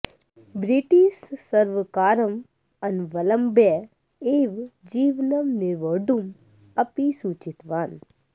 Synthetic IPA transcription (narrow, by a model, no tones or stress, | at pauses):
bɾiʈiʃsɐɾʋkaːɾɐm | ɐnʋɐlɐmbɛ | eːʋd͡ʒiːʋnɐmniɾʋəɖum | ɐpisuːt͡ʃit̪ʋaːn